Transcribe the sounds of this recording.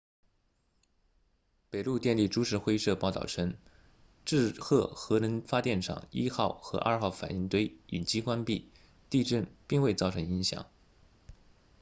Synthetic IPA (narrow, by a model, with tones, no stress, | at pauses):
pe˨˩ɪlu˥˧t̪jɛ˥˧nli˥˩ʈ͡ʂu˥ʂɻ̩˥˩xwe˥ɪʂɤ˥˧pɑ˥˧ʊt̪ɑ̰˥˩ʊʈ͡ʂʰə˥ŋ | ʈ͡ʂɻ̩˥˧xʰɤ˥˩xɤ˧˥nə˧˥nfa˥t̪jɛ˥˩nʈ͡ʂʰɑ̰˨˩˦ŋi˥xɑ˥˩ʊxɤ˧˥ʔɐ̰˥˧xɑ˥˩ʊfa̰˨˩ni˥˩ŋt̪we˥ɪi˨˩nt͡ɕi˥kwa˥npi˥˩ | t̪i˥˧ʈ͡ʂə˥˩npi˥˧ŋwe˥˧ɪt͡sɑ˥˩ʊʈ͡ʂʰɤ˧˥ŋi˧˥ŋɕjɑ̰˨˩˦ŋ